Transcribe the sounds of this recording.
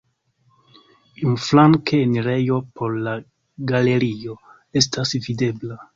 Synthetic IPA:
inflaŋkeːnɾe̞jo̞pʰo̞ɾla | ɡale̞ɾio̞ | e̞stʰasvide̞bla

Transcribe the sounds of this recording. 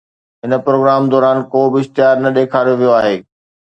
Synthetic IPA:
ɦɪnə̆pɾoːɡɾaːmd̪ɔːɾaːnkoːbɪɪʃt̪ɪjaːɾnɐɗeːkʰaːɾjoʋijoaːɦeː

